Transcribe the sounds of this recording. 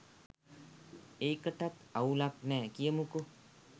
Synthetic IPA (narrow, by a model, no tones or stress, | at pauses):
ekəʈat̪aulaknɛkijəmuko